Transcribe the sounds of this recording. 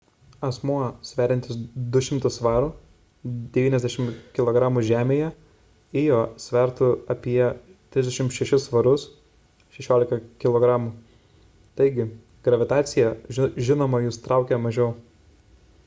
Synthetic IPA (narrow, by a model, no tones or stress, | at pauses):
ɐsmuɔsʲʋʲæːɾʲɪnt̪ʲɪsd̪ʊʃʲɪmt̪ʊsʋɑːɾu | d̪ʲɛʋʲiːnɛzʲd̪ʲæɛʃʲɪmkʲɪlˠoːɡɾɑːmuʒʲæːmʲeːjɛ | eːjoːsʲʋʲɛɾt̪ʊɐpʲiɛt̪ʲɾʲɪzd̪ʲɛʃʲɪmʃʲɛʃʲɪsʋɐɾʊs | ʃʲɛʃʲoːlʲɪkɐkʲɪlˠoːɡɾɑːmuː | t̪ɐɪɡʲɪ | ɡ̥ɾɐʋʲɪt̪ɑːt̪sʲɪjɛʒʲɪnoːmɐjust̪ɾɑˑʊkʲɛmɐʒʲɛʊ